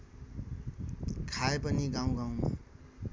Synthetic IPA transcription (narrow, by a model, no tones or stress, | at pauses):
kʰaepʌniɡaw̃ɡaw̃